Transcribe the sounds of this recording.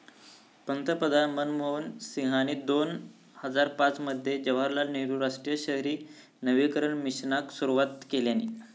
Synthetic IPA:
pənt̪əpəd̪ʱamənmownsiɦañid̪on | həd͡zaɾpat͡sməd̪ʱːjed͡ʑəʋaɾlaniɾuɾaʂʈɾijəɕəɦɾiː | nəʋikəɾəɳmiɕnaksuɾuʋat̪keljani

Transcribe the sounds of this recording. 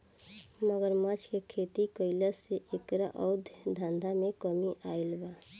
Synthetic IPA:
məɡəɾmət͡ʃʰkekʰet̪ikəɪləseʔekɾaʔəʊd̪ʱjd̪ʱãnd̪ʱamekəmiʔailba

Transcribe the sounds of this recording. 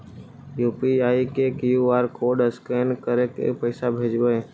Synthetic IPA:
juːpiaːikekjuaːɾkʰoːɾɖəskeːnkəɾekḛpəɪsabʱeːd͡ʒɡəe

